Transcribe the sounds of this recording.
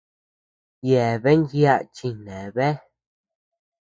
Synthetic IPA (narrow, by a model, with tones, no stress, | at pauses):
je˨βe˦nɡja˦ʔt͡ʃi˧nẽ˨βe˦